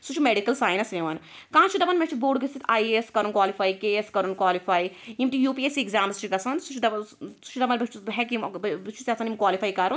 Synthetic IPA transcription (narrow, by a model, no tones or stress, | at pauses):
sut͡ʃʰimeɖikɐlsaːjnɐsẽʋɐn | kãːt͡ʃʰid̪ɐbɐnmet͡ʃʰibuːɖɡisit̪ʰaːieskɐɾunkwaːlifaːikeːeskɐɾunkwaːlifaːiimt̪ijuːpieseɡzʲaːmst͡ʃʰiɡɐsɐnsut͡ʃʰid̪ɐsu̥t͡ʃʰid̪ɐbɐnbit͡ʃɦɛkimbit͡ʃʰu̥sʲiɐsʰɐnimkwaːlifaːikɐɾun